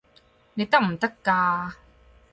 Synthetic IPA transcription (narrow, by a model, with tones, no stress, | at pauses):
ne˧jt̪ɐ˥k̚m̩˨˩t̪ɐ˥kːaː˧